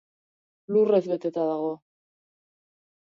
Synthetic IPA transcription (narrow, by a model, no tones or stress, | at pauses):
lurezβe̞t̪e̞t̪aðaɣo̞